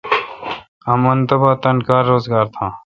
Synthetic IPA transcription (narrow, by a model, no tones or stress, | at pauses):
ɐmɐnt̪ɐbat̪ɐnkaːɾːoːzɡaːɾt̪ʰãː